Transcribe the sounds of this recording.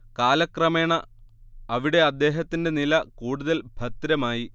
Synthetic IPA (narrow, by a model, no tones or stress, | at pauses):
kaːlɐkrɐme̞ːɳɐ | ɐʋiɽe̞ɐd̪ːe̞ːɦɐt̪ːinde̞nilɐkuːɽuðɐlbʱɐt̪ɾɐmaːji